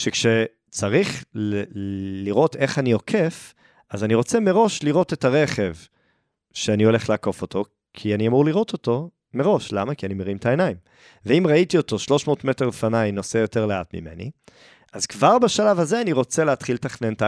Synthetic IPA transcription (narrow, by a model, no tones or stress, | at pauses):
ʃekʃe | t͡saʁiχl | liʁo̞te̞χanio̞kʰe̞f | azaniʁo̞t͡se̞me̞ʁo̞ʃliʁo̞te̞taʁe̞χe̞v | ʃeanio̞le̞χleako̞fo̞tʰo̞ | kʰianiamuʁliʁo̞toto̞ | me̞ʁo̞ʃlamakianimeʁimtaenaim | veimʁaitio̞to̞ʃlo̞ʃmo̞ːtmeteʁefanajnosejo̞teʁleatmḭme̞̰nḭ | ʔazkvaʁbaʃalavaze̞aniʁo̞t͡seleatχiletaχnenta